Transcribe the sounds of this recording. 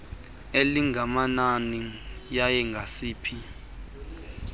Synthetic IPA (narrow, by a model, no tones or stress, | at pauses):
eliŋɡʱamananijajɛŋɡʱasiːpʰi